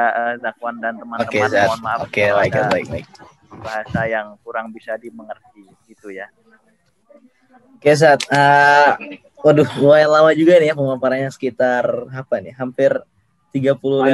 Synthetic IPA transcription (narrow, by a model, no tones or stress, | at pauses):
aəzakwandant̪əmanot̪əkesat̪nmaokelajət̪baɪk̚ba̰ɪ̰k̚ | baɦasajaŋkuɾaŋbisadiməŋərt̪̚i | ɡit̪uja | okes̬aːt̪̚ə | waduhwajalawad͡ʒuɡanɪjapəmapaɾaɲasə̥kit̪arapaniɦampɪr | t̪iɡapulu